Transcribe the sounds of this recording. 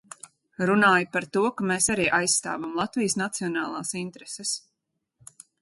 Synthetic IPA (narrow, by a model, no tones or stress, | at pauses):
ɾunaːjpaɾt̪uɔkameːsaɾiːʔajssːt̪a̰ːvamlˠat̪vijsnat̪siɔnaːlˠaːsint̪ɾɛsɛs